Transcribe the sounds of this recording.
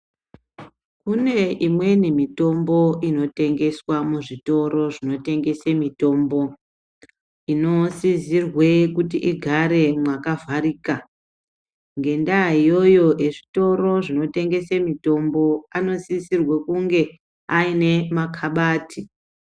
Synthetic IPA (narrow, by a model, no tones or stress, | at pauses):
kune̞imwe̞nimito̞mbo̞ino̞te̞ŋɡe̞swamuʐito̞ɾo̞ʐino̞te̞ŋɡe̞semito̞ːmbo̞ | ino̞sizirwe̞kutiʔiɡʱaɾe̞mwakavʱaɾiːka | ŋɡe̞ndaijo̞jo̞eʐito̞ɾo̞ʐino̞te̞ŋɡe̞semito̞mbo̞ano̞sisirwekuŋɡe̞ | aine̞makʰaɓaːtʰi